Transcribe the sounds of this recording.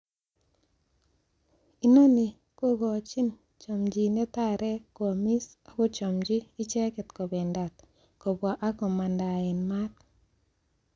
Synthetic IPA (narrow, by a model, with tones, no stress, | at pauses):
i˦no˦ni˨ | ko˦ɡo˨t͡ʃi˦n | t͡ʃo˨md͡ʒi˨ne˦ta˦˨ɾɛ˦kwo˨mi˦s | a˨ko˦t͡ʃɔ˨md͡ʒiː˦t͡ʃɛ˦kɛ˨t̪ko˨bɛ˨nda˨t̪ | ko˨bwa˨ʔa˦ko˨ma˨nda˨ɪ˨nma˦t̪